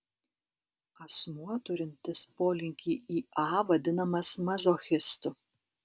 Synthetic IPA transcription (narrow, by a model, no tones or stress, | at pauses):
ɐsmuɔt̪ʊɾʲɪnʲt̪ʲɪspoːlʲɪŋʲkʲiːʔiːɑːʋɐd̪ʲɪnɐmɐsmɐzoːxʲɪst̪ʊ